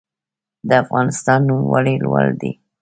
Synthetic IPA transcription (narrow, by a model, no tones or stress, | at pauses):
d̪əafɣɑnɪst̪ɑnːumwaɽelwald̪i